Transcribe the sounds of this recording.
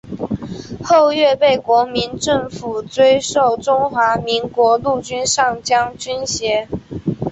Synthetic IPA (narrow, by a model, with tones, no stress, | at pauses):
xo˥˧ʊɥɛ˥˧pe˥˩ɪkwɔ˧˥mi˧˥nʈ͡ʂɤ˥˩ŋfu˨˩t͡swe˥ɪʂo˥˩ʊʈ͡ʂʊ˥ŋxwa˧˥mi˧˥ŋkwɔ˧˥lu˥˩t͡ɕy˥nʂɑ˥˩ŋt͡ɕjɑ˥ŋt͡ɕy˥nɕjɛ˧˥